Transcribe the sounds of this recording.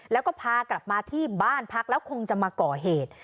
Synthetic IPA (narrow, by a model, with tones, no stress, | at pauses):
lɛː˦˥wkɔː˥˩pʰaː˧kla˨˩p̚maː˧t̪ʰiː˥˩baː˥˩npʰa˦˥k̚lɛː˦˥wkʰo˧ŋt͡ɕa˨˩maː˧kɔː˨˩ɦeː˨˩t̪̚